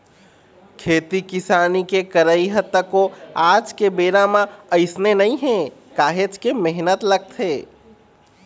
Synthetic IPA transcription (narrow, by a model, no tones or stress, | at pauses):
kʰeːt̪ikɪsaːnikekəɾəiɦət̪ːəkoaːd͡ʒkebeːɾamãəɪsnenɐĩɦɛ̃kaːɦet͡ʃkemeɦnət̪ləɡ̚t̪ʰeː